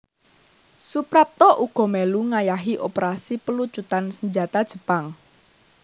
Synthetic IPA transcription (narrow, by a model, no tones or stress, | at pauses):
supɾap̚t̪ɔʔuɡ̥ɔ̤mɛluŋajaɦiʔopəɾasipəlut͡ʃut̪ansəɲd͡ʒat̪ad̥ʒ̥ə̤paŋ